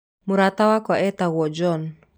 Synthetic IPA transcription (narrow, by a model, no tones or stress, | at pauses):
muɾat̪awakaʔɛt̪awwɔd͡ʒɔn